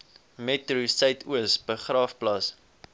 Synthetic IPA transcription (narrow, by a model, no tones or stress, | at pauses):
mɛtrusɐjtʰuəsbəχrɑːfplɐs